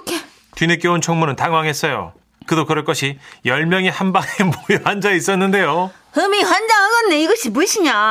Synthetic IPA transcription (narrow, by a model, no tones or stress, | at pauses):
kʰe | tɥinek͈jount͡ɕʰʌŋmunɯntaŋwaŋɦe̞s͈ʌjo̰ | kɯdokɯɾʌɭk͈ʌɕʰijʌɭmjʌŋihambaɡemojoɦand͡ʑais͈ʌnːɯnde̞jo | hɯmiɸwand͡ʑaɦaɡʌnːe̞iɡʌɕʰibuiɕʰiɲa